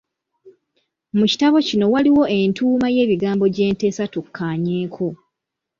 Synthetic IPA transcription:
muci̥taβo̞cino̞waliwo̞ʔentʰuːmaje̞ːβiɡaːmbo̞ɟe̞ːnte̞ːsatukʰːaːɲe̞ːkʰo̞

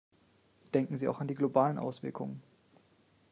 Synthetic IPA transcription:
d̥ɛŋkŋ̩ziːʔa̰ʊxandiːɡlobaːlənʔa̰ʊsv̥ɪɐkʰʊ̰ŋən

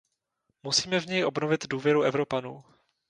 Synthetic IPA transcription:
musiːmɛvɲɛjʔo̞bnovɪt̪duːvjɛɾuʔɛvɾo̞panuː

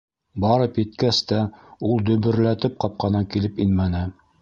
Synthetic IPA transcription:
bɑɾɤpjɘ̆t̪kæst̪æulˠd̪ɵ̆βɵ̆ɾlæt̪ɘp̚qɑp̚qɑnɑkilɘpinmænɘ

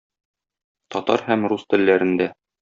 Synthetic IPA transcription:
t̪ɒt̪ɑ̰ɾhæmɾust̪ɘ̆lːæɾɘ̆nd̪æ

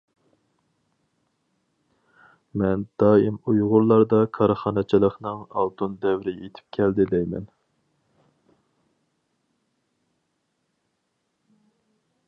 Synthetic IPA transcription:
mɛnd̪̥ɑːimujʁʊɾlˠɑɾd̪ɑkʰɑɾχɑːnɨt͡ʃʰilˠəχnɨŋɑ̰lˠt̪ʰund̪ɛwɾɪjet̪ʰɪ̥p̚kʲʰɛld̪ɪlɛjmɛ̰n

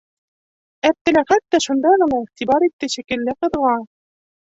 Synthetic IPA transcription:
æp̚t̪ːæ̆læχæt̪ːɑʃund̪ɑmɤ̆nɑiχt̪ibɑɾit̪ːɘɕĭkɘ̆lːɘqɤ̆ðʁɑ

